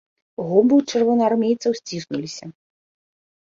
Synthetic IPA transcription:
ɣɔbɨt͡ʂɛrvɔnɐarmʲejt̪sɐwsʲt͡sʲisnulʲisʲɐ

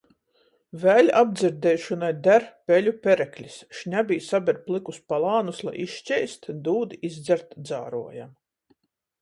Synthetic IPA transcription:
væːlʲabd̪ziɾd̪ɛjʃɔnajd̪æɾpʲɛlʲupʲɛɾɛklʲisʃɲʲabʲijsabʲɛɾplˠikuspalˠɑːnuslˠa̰jiʃʃt͡ʃʲɛjst̪d̪uːd̪iizd̪zʲɛɾt̪d̪za̰ːɾuɔjam

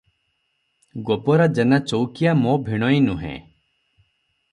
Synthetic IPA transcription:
ɡopɔɾad͡ʒenat͡ʃowkijamobʱiɽ̃ɔinuɦḛ̃

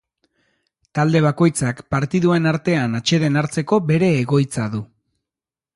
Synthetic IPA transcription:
t̪ald̪e̞β̞ako̞jt͡sakpaɾt̪iðue̞naɾt̪e̞anat͡ʃe̞ðe̞naɾt͡se̞ko̞be̞ɾe̞ːɣo̞jt͡saðu

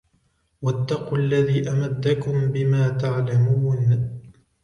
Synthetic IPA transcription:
wat̪ːɑquːʔalːaðiːʔamad̪ːakʊmbɪmaːt̪aʕlamuːn

